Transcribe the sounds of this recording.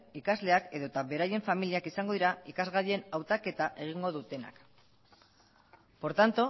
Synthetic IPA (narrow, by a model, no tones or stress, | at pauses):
ikazle̞ake̞ðo̞t̪aβe̞ɾaje̞ɱfamiliakisaŋɡo̞ð̞iɾaikazɣaðe̞nawt̪ake̞t̪aʔe̞ɣ̞iŋɡo̞ðut̪e̞na̰k | po̞ɾt̪ant̪o